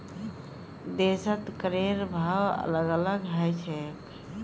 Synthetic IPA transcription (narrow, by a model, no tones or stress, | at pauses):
d̪esət̪kəɾeɾbʱawə̰ləɡələɡɦəjt͡ʃʰɛk